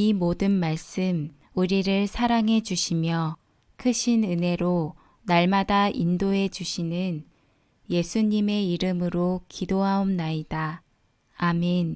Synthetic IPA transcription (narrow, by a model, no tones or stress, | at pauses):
imodɯnmaɭs͈ɯm | uɾiɾɯɭsʰaɾaŋɦe̞d͡ʑuɕʰimjʌ | kʰɯɕʰinɯne̞ɾo | naɭmadaʔindoɦe̞d͡ʑuɕʰinɯn | je̞sʰuɲime̞iɾɯmɯɾokidoɦaomnaidaː | men